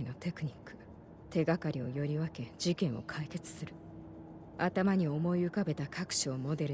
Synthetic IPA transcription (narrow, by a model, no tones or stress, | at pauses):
ino̞t̪e̞kɯ̟ɲ̟ikːɯ̥ | t̪e̞ɡakaɾʲio̞jo̞ɾʲiβake̞d͡ʑikẽ̞ɰ̃o̞̰kʰaike̞t͡sɨ̥sɨɾɯ̟ | at̪amaɲ̟io̞mo̞iɯ̟kabe̞t̪akʰakɯ̟̥ɕo̞ːmo̞d̪e̞ɾɯ